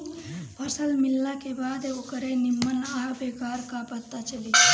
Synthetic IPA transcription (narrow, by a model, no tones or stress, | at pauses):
pʰəsəlmilːakebaːd̪okəɾenimːənaɦbekaːɾkapət̪ːat͡ʃəli